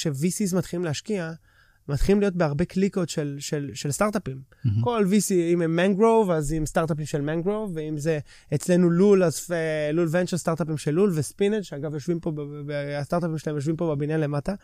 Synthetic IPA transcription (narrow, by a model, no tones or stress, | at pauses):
ʃevisizmat̪χilimleaʃkia | mat̪χilimlijo̞t̪̚beaʁbekliko̞t̪ʃelʃelʃe̞lst̪aʁt̪apim | ko̞lvisiimemːaŋɡʁowvazimst̪aʁt̪ap̬imʃelmaŋɡʁowveimze̞ | et͡sle̞nululazfelulvent͡ʃeʁst̪aʁt̪apimʃelːulvespinedʃeaɡavjo̞ʃvimpo̞best̪aʁt̪apimʃelaejoʃvimpo̞bebinale̞mata